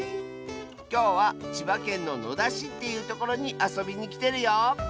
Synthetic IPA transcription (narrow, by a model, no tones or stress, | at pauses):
kʲo̞ːβat͡ɕibakẽ̞nːo̞no̞̰d̪aɕit̪ːe̞jɯ̟ːt̪o̞ko̞ɾo̞ɲ̟iʔaso̞bʲiɲ̟ikʲi̥t̪e̞ɾɯ̟joː